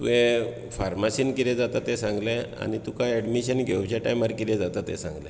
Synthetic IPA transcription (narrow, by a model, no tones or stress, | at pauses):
t̪ṵɦe | faɾmasiːnkiɾɛ̃d͡zat̪at̪ɛsãŋɡlɛ̃a̰nit̪ukaɛɖmiɕənɡʱewt͡ɕaʈajmaɾkiɾɛ̃d͡zat̪at̪ɛ̰sã̰ŋɡlɛ̃